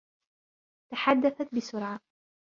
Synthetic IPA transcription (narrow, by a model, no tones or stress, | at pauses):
t̪aħad̪ːaθat̪̚bɪsʊɾʕa